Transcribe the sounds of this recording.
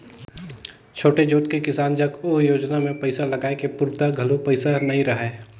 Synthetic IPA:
t͡ʃʰoːʈed͡ʒoːʈ̪kekɪsaːnd͡ʒɐɡoːɦjoːd͡ʒnamẽpɐɪsalɐɡaːekepʊɾt̪aɡʱɐlopəɪsanɐɦĩɾɐɦeː

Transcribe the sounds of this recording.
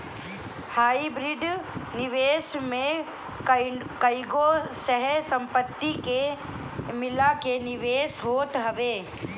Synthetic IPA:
haːibɾɪɖnɪʋeːʃmẽ | kəiɡosəɦɛsɐ̃mpət̪ːike | mɪlakenɪʋeːʃɦoːt̪ɦɐʋeː

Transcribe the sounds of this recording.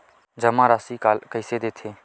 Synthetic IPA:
d͡ʒəmãːɾaːsiːkalkəɪsed̪eːt̪ʰeː

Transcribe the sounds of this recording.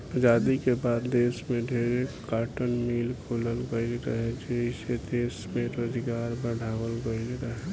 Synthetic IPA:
ad͡ʒaːd̪ikebaːd̪d̪eːsmẽɖʱeːɾekːaːʈənmiːlkʰoləlɡəɪlɾəɦed͡ʒeɦised̪eːsmeɾoːd̪iɡaːɾbəɖʱaːwəlɡəilɾəɦɛ

